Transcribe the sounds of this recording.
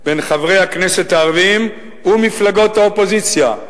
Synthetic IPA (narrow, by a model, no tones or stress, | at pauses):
b̥e̞nχavʁe̞jhakne̞set̪haːʁvim | umiflaɡo̞thaopo̞zit͡sja